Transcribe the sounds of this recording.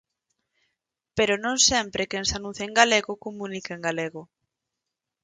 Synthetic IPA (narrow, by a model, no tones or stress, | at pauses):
peɾʊnõŋsɛmpɾekensanũθeŋɡaleɣʊkomũnikeeŋɡaleɣʊ